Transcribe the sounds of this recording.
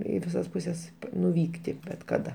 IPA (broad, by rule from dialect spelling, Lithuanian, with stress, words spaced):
ˈiː ʋʲɪˈsɐs pʊˈsʲɛs nʊˈʋʲiːktʲɪ bʲɛt kɐˈdɐ